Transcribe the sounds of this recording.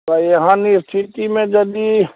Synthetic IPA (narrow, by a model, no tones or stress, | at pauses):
bajɐɦãnist̪ʰit̪imẽd͡ʒɐd̪i